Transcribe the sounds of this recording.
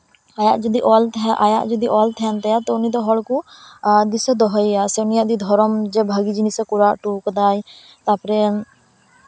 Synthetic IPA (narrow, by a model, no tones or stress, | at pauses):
ajaːd͡ʒəd̪iːʔɔːlt̪ʔaːja̰ːd͡ʒəd̪iːʔɔːlt̪ʰɛːnt̪eat̪oʊniːd̪oːɦɔlkuːd̪isəd̪ɔɦiaːseʊniad̪iːd̪ʱɔːɾəmd͡ʒebʱaːɡiːd͡ʒinisəkʊɾaːʔʈuːkd̪aːi | t̪aapɾen